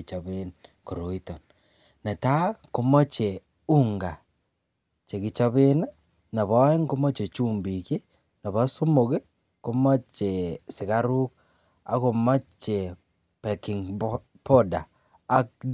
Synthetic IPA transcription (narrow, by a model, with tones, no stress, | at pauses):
t͡ʃa˨βe˦nko˨ɾo˨i˦to˨n | na˨ta˦ko˦mo˦t͡ʃe˨ | u˦ŋɡa˨ | t͡ʃe˨ɡi˨t͡ʃa˦βe˦na˦ | na˨βa˦e˦ŋko˦mo˦t͡ʃe˨t͡ʃu˦˨mbi˨ke˦ | na˨βa˦so˦mo˨ke˦ | ko˦ma˦t͡ʃe˨sɪ˨ɣa˦ɾu˦k | a̰˦ko˨ma˦t͡ʃe˨ | pe˨kɪ˨ŋ | po˦daː˨˦ | k